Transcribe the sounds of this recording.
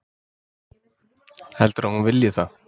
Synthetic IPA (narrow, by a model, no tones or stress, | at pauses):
hɛlt̪ʏɾahunvɪljɪθa